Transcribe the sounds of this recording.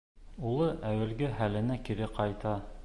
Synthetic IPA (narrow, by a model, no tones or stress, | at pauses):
ulˠɤʔæwɘ̆lɡæhælɘ̆nækiɾɘqɑjt̪ɑ